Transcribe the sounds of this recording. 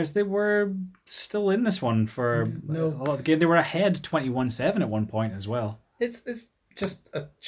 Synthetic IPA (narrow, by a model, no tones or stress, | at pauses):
zðeɪwə˞ | stɪlˠɪ̃nðɪswʌ̃nfə˞əlˠɔɾvðəɡẽmðəwə˞ɨhɛd̚tʰw̥ɛ̃ñiwʌ̃nsɛvə̃ñəʔ̚wʌ̃npʰɔ̃ɪ̃ntəzwɛlˠ | ɪtsɪts | d̥ʒ̥ʌstə